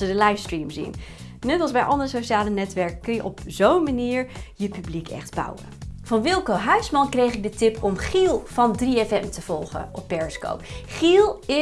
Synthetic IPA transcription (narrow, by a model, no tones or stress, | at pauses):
sədəlɑjfstrimzḭn | nɛtɑlˠzbɛjʔɑndərəsoʃaːlənɛtʋɛɹkəkːɵnjəʔɔpz̥ownmaniːɹjəpyblikʰɛ̰χdbʌ̰wə̰vɑnʋɪlˠkəɦœɥsmɑnkrejχɪɡ̚dətɪpɔmχilˠv̥ɑndriɛfɛmtəv̥ɔlˠχə̰ɔpːɛɹsko̰wpχilˠɪ